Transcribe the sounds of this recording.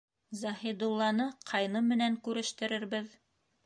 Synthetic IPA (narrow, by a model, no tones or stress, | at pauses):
zɑhid̪ulˠːɑnɤqʰɑjnɤmɘ̆næŋkʉɾɘ̆ʃt̪ɘ̆ɾɘ̆ɾβɘð